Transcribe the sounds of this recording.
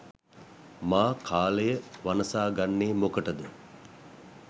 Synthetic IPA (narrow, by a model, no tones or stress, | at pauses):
maːkʰaːlejəʋanəsaːɡanːeːmokəʈəd̪ə